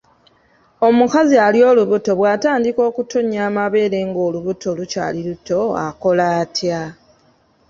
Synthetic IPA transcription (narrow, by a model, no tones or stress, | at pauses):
o̞mukazialjo̞ːluβuto̞βwaːtaːndiko̞ːkutoɲaːmaβe̞ːɾe̞ːŋɡo̞ːluβutʰo̞luca̰ːliluto̞a̰ko̞laːtja